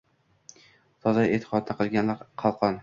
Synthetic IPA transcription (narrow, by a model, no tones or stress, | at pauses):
t̪ʰɒzajet̪ʰɪ̥qʰɒd̪̚d̪aqʰɨlˠɡʲanlaɾqʰɑlˠqʰɒn